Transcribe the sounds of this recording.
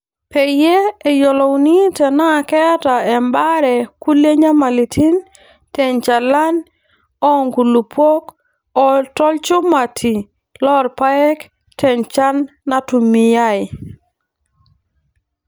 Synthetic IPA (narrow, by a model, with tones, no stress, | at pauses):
pe˨je˦e˨jɔ˨lɔ˨wni˦tɛ˨na˦˨kɛ˦ta˨ɛ˨mba˦ɾɛ˨ku˦le˦ɲa˦ma˨li˨tʰi˦n | tɛ˨nt͡ʃa˨la˦n | ɔ˦ŋɡu˨lu˨pwo˦k | ɔ˨tɔ˦lt͡ʃʊ˦ma˨tʰi˨ | lɔ˦ɾpa˦ɛ˦k | tʰɛ˨nt͡ʃa˦nː | a˦tu˨mi˨ja˦˨ɪ˨